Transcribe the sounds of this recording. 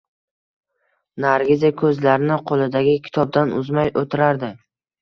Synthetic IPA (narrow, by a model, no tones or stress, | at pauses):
naɾɡʲɪzakʰɵzlaɾɪnɪqʰolˠɪd̪aɡʲɪkʲʰɪ̥t̪ʰɒb̚d̪anʊzmajʔot̪ʰɪɾaɾd̪ɪ